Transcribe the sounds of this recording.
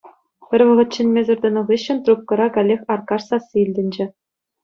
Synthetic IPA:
pʲɘ̆rʲʋɤ̆ʁɤ̆t̪ʲt͡ɕɘ̆nʲmʲezʲɘ̆rʲd̪ɤ̆nɤ̆ʁɯɕːɘ̆nʲt̪rup̚kɤ̆ɾɑkɑlʲːexʲɑrkɑrsɑsːɯilʲdʲɘ̆nʲd͡ʑɘ̆

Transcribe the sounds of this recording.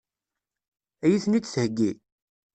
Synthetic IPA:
æjiθnit͡sːθhəɡːi

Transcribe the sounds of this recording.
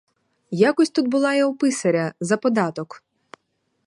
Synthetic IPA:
jakɔsʲt̪ud̪̚bʊlˠɑjɐwpɪsɐɾʲɐzɐpɔd̪ɑt̪ɔk

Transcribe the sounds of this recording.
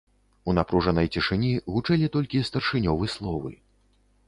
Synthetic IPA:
unapɾuʐɐnɐjt͡sʲiʂɨnʲiɣut͡ʂɛlʲit̪ɔlʲkʲist̪ɐrʂɨnʲɔvɨslˠɔvɨ̰

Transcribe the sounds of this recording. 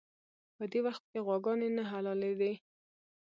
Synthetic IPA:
pəd̪ewaxt̪̚keɣwɑɡɑnenaɦalɑled̪e

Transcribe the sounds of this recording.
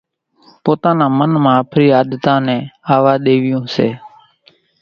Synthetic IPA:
poːt̪ãːnãːmənmãːpʰɾiːaːd̪t̪ãːnɛ̃ːaːʋaːɗeːʋɪjõũːseː

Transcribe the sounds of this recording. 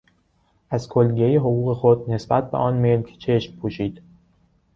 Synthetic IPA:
ʔæzkʰolɡejeɦoɣuːɣe̞xod̪̚ne̞sbæt̪̚ʰbḛʔɒːnme̞lcʰt͡ʃʰe̞ʃmpʰuːʃiːd̪̥

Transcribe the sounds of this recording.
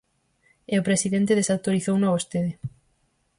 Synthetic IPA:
eopɾesiðent̪eðesawt̪oɾiθownaβost̪eðɪ

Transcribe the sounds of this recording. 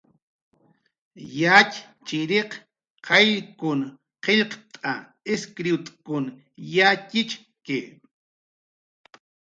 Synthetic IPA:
jacʲ | t͡ʃɪɾeq | qʰɑʎkʊn | qeʎqt̪ʼa | eskɾiɪt̪ʼkʊn | jacɪt͡ʃ | kɪ

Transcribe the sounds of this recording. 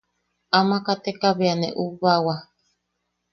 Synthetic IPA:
amakat̪ekaβeanḛʔuβawa

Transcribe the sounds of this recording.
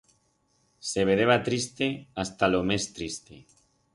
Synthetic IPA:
seβ̞eðeβat̪ɾist̪east̪alomest̪ɾist̪e

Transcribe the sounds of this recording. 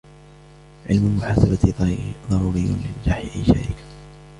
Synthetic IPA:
ʕɪ̰lmʊlmʊħaːsabaðˤɑɾˤuːɾɪjːʊ̰lɪld͡ʒaːħɪʔajʃa̰ɾɪkḁ

